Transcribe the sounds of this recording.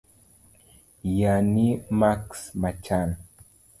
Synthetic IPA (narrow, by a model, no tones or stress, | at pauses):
janimaksmat͡ʃan